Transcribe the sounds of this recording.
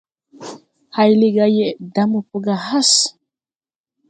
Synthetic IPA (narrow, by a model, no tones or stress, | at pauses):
hajliɡajɛd̪amupuɡaɦas